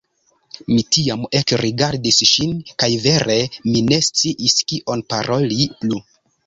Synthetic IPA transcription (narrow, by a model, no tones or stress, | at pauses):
mitiamekɾiɡaɾdisʃinkajve̞ɾʔe̞mine̞st͡siʔiskiʔo̞npaɾʔo̞liplu